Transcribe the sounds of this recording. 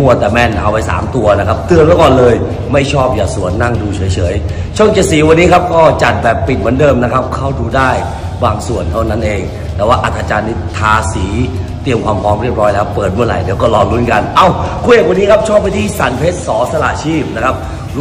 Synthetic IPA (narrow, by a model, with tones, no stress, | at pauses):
mu˧˥˩ət̪ɛː˨˩mɛ˥˩nʔa˧wpa˧jsa̰ː˩˦mt̪u˧ɐna˦˥kʰa˦˥p̚t̪ɯ˧ənmɯ˦˥˦kɔː˨˩nlɤː˧j | ma˥˩jt͡ɕʰɔː˥˩p̚jaː˨˩su˨˩˦ənːa˥˩ŋduː˧t͡ɕʰɤː˩˦jt͡ɕʰɤː˩˦j | t͡ɕʰu˥˩əŋt͡ɕa˨˩siː˨˩˦wa˧nːiː˦˥kʰa˦˥p̚kɔː˥˩t͡ɕa˨˩t̪̚bɛː˨˩pːi˨˩t̪̚mɯ˩˦ndɤː˧mna˦˥kʰa˦˥p̚kʰa˥˩wduː˧daː˥˩j | baː˧ŋsu˨˩ənt̪ʰa˥˩wna˦˥nʔeː˧ŋ | t̪ɛː˧˦waː˥˩ʔa˨˩t̪ʰːaː˧t͡ɕaː˧nːi˦˥˩t̪ʰaː˧siː˩˦t̪i˧əmkʰwaː˧mpʰɾɔː˦˥mɾi˥˩əp̚ɾɔː˦˥jlɛː˦˥wpɤː˨˩t̪̚mɯ˥˩ɾa̰˨˩jdɛ˩˦kɔː˥˩lɔː˧ŋɾu˦˥˩nka˧nʔa˧˥˩wkʰu˧˥je˨˩kwa˧nːiː˦˥kʰa˦˥p̚t͡ɕʰɔː˥˩p̚ːa˧jt̪ʰiː˥˩sa˨˦npʰe˦˥t̪̚sɔː˩˦sa˧la̰˨˩ʔt͡ɕʰiː˥˩p̚na˦˥kʰa˦˥p̚